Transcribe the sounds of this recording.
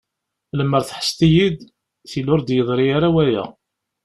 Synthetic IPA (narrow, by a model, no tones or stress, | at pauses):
ləmːəɾθħə̥st̪ijid̪ | θilʊɾd̪jəðˤɾiaɾawæjæ̰